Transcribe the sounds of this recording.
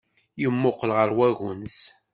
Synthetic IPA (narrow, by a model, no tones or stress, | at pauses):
jəmːoqːəlʁəɾwæɣʊns